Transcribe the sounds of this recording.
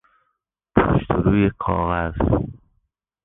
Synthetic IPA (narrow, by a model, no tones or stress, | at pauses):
pʰo̰ʃt̪ʰoɾuːjekʰɒ̰ːɣæz̥